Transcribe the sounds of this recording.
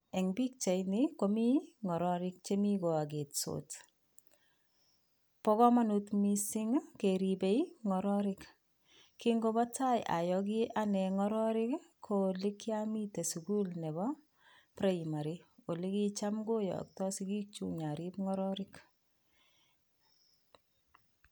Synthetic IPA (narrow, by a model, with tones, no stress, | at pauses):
ɛ˨ŋbi˦k̚t͡ʃa˨jnɪko˨mi˦ŋɔ˨ɾɔ˦ɾɪk̚t͡ʃemi˦ko˨a˨ɡe˨tso̰t | pɔ˦kɔ˦ma˦nutmisɪ˦ŋkeɾibe˦iŋɔ˨ɾɔ˦ɾɪk | ki˦ŋɡo˦bɔ˦ta˦ja̰˨jɔɡ̬ɪ˦ʔa˦nɛ˨ŋɔ˦ɾɔ˦ɾɪ˦kkʰːoli˦kjami˦te˨suku˦lnɛ˨bɔ˦ | pɾe˦jima˨ɾi˦o˨li˦ki˦t͡ʃa˦mɡo˦jɔ̰˨k̚tɔ˦si˦ɡi˦k̚t͡ʃṵɲa˨ɾipŋɔ˦ɾɔɾɪk